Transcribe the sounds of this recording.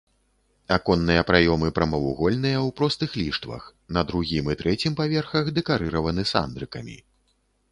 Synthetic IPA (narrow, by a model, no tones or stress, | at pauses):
akɔnːɨjɐpɾajɔmɨpɾɐmɐvṵɣɔlʲnɨjɐwpɾɔst̪ɨxlʲiʂt̪vɐ̰x | nɐd̪ɾuɣʲimɨt̪ɾɛt͡sʲimpavʲɛrxɐɣd̪ɛkaɾɨɾɐvɐnɨsa̰nd̪ɾɨkɐmʲḭ